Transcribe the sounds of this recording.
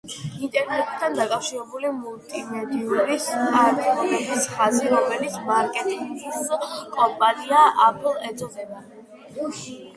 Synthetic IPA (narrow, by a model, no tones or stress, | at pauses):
int̪ʼɛɾnɛt̪ʼt̪ʰand̪akʼafʃiɾɛbulimulˠt̪ʼimɛd̪iuɾisaɾt̪ʰʼiɔmɛbisχaziɾɔmɛlit̪sʰmaɾkʼɛt̪ʼiŋɡskʼɔmpʼaniaʔapʰʼilˠɛd̪zɔzɛna